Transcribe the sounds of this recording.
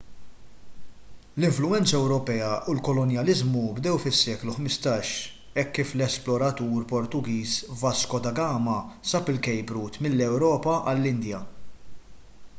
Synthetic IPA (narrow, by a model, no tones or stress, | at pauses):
lɪɱflʊɛnt͡sɐɛwɾɔpɛːɐʔʊlkɔlɔnjɐlɪzmubd̪ɛwfɪsːɛːkluħmɪst̪ɐːʃ | ɛkːiːflɛsplɔɾɐt̪uːɾpɔɾt̪ʊɡiːsvɐskɔd̪ɐɡɐːmɐsɐpɪlkɛjbɾuːt̪mɪlːɛwɾɔːpɐʔɐlːɪnd̪jɐ